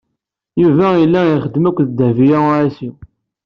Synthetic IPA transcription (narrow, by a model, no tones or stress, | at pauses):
juvæilːæiχəd̪mækʷːðəd̪ævijaɾasi